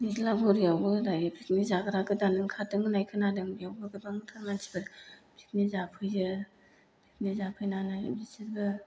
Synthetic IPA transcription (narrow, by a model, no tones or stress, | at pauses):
nizlabɔɾijawbɯdajpʰik̚nizaɡɯɾaɡɯdanɯŋkʰatɯŋɯnajkʰɯnadɯŋijawbɯɡɯbaŋtʰaɾmansʰi̥bɯɾpʰik̚nizapʰɯjzɯ | pʰik̚nizapʰɯjnana̰disiɾbɯ